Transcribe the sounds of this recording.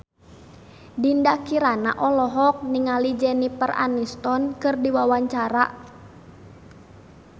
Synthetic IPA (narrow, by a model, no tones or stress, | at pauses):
dindakiɾana̰ʔɔlɔɦɔk̚niŋalid͡ʒɛnipəra̰nist̪ɔnkɨrdiwawaɲt͡ʃaɾa̰ʔ